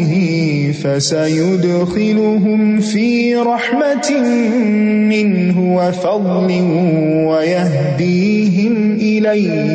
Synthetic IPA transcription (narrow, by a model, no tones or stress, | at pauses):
hɪ | fasajʊd̪xɪlʊɦʊmfiː | ɾˤɑħmat | mɪnɦʊwafɑd̪ˤlɪ | wajah | d̪iː | ɦɪm | ʔɪlaj